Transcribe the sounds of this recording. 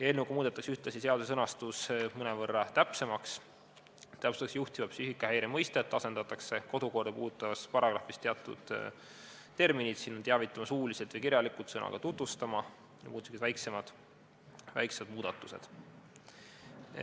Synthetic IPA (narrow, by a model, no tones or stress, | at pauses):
jɑe̞lnːeukumuːd̪̥et̪ːˑɑksyht̪lɑsise̞ɑd̪usesɤnɑst̪usmɤnevɤrːɑt̪æpse̞mɑks | t̪æpseɑksjuht̪ivɑpsyhikːˑɑhæjɾemɤjst̪e̞t̪ːɑse̞nd̪ɑt̪ːˑɑkse̞ko̞d̪̥uko̞rd̪̥ɑpuːd̪ut̪ːˑɑvɑspɑɾɑɡ̥ɾɑfːist̪eɑt̪ːṵd̪̥ | t̪e̞rminid̪sinːont̪eæɑvit̪ːˑɑmɑsuːliset̪vɨjkiɾʲjɑlikˑut̪sɤnʔɑ̰ɡ̥ɑ̰t̪ut̪vust̪ɑmɑ | jɑmuːsket̪væjkse̞mɑd̪̥ | væ̰jksed̪muːd̪̥ɑt̪ːˑuse̞̰d̪̥